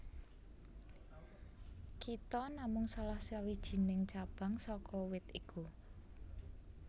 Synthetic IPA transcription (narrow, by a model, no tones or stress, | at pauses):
kit̪ɔnamʊŋsalahsiawid̥ʒ̥i̤nɪŋt͡ʃab̥a̤ŋsɔkɔwɪt̪iku